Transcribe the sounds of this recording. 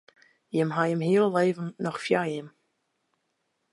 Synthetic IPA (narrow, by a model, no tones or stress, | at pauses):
jɪmɦajɪmhiəlˠəleːvənnɔxfjajɪm